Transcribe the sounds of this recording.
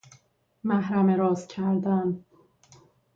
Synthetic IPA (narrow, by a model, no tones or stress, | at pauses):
mæhɾæmeɾɒːzcʰæɾd̪æn